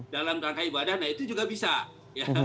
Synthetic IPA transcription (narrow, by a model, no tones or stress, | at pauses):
dalamt̪aŋkaibadatnait̪ud͡ʒuɡabisa | ja